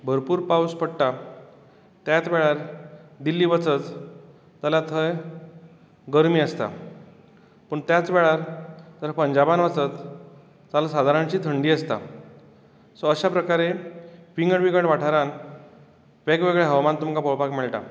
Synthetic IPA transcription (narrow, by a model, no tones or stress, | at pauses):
bʱəɾpuːɾpauspəɽʈa | t̪jat͡sʋɛɭaɾd̪ilːiːʋət͡sət͡s | t̪alat̪ʰəj | ɡəɾmiːəst̪a̰ | pəɳt̪jat͡sʋɛɭaɾt̪əɾpəɲd͡ʑabanʋət͡sət͡s | t̪alasad̪ʱaɾãnt͡ɕiːt̪ʰəɳɖiːəst̪a̰ | soəɕapɾəkaɾefiŋɡəɽʋiɡəɽʋaʈʰaɾan | ʋekʋeɡɭeɦəʋmant̪umkapəwpakmeɭʈa̰